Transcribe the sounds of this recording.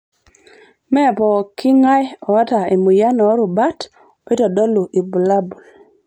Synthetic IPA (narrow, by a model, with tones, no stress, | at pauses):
mɛ˦˨pɔ˨kʰi˦ŋa˦jɔ˨a˦ta˨e˨mu˨ja˦nɔ˨˦ɾu˨ba˦t | ɔ˨˦i˦tɔ˨dɔ˦lu˨ʔi˨bu˨la˦bu˨l